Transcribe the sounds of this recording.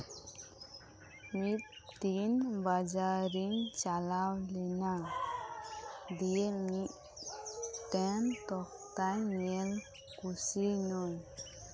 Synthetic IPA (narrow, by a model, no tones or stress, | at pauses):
mit̪̚t̪inbad͡ʒaɾiŋt͡ʃalawlɛna | d̪ijemiʔ | tɛnt̪ɔk̚ | t̪ajmɛl | kusinɔj